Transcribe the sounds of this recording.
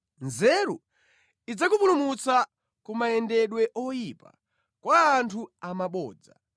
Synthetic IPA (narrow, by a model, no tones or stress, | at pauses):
nzɛɾṵ | id͡zakupulumut͡sa | kumaɛndɛɗwɛʔɔjipa̰ | kwaːntʰuamaɓɔ̰ːd͡za̰